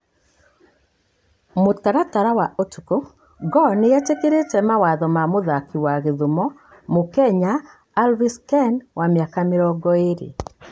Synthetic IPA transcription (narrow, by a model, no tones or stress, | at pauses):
motaɾataɾawaʔotuko | ɡɔnejat͡ʃekeɾetɛmawaðɔmamoðakiwaɣeðomɔ | mokɛɲaː | lviskɛnwamjakameɾɔɡɔeɾḛ